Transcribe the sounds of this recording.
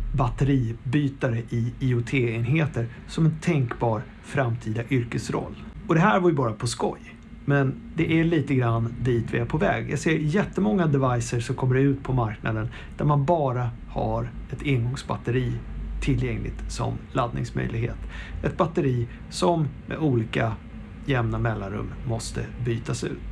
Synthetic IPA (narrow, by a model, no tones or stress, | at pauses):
bat̪əɾiːbyːt̪aɾəʔɪiʊt̪ʰeːeːnɦeːt̪əɾ | sɔmɛnt̪ʰɛŋkbɑːɾ | fɾamt̪ʰiːd̪aʔʏɾkəsɾɔ̰lːɔd̪ɛɦæːɾvajɵbɑːɾapʰɔskɔ̰j | mɛn | d̪ɛʔæɭiːt̪əɡɾanːd̪iːt̪vɪæɾpʰɔvɛ̰ːɡja̰ɡseːɾjɛt̪ːəmɔŋːad̪ɛvajsəʂɔmkʰɔmːəɖɛʉ̟ːt̪pʰɔmaɾkna̰d̪ən | d̪̥æɾmanbɑːɾa | haɾɛt̪ɪnɡɔŋsbat̪əɾiːt̪ʰːɪlːjɛŋlɪ̰ɡt̪sɔ̰mlad̪nɪ̰ŋsmœ̰jlɪɡhḛːt̪ɛt̪̚bat̪əɾiː | sɔmmɛ̰d̪uːliːka | jɛmnamɛlːanɾɵ̰mːɔst̪ə̰byːt̪asʉ̟̰ːt̪